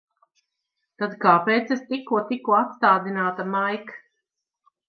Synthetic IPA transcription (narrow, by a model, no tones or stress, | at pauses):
t̪ad̪kaːpeːt̪sest̪ikːuɔt̪ikːuat̪st̪aːd̪inaːt̪amajk